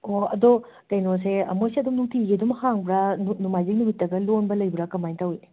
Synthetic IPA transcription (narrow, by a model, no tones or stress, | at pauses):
oɐdo | kɐjnos̬emojsiɐdumnuktʰiɡedumhaŋbɾɐnnumajzik̚numitːɐɡɐlonbɐlɐjbɾɐkɐmajntʰaɦujne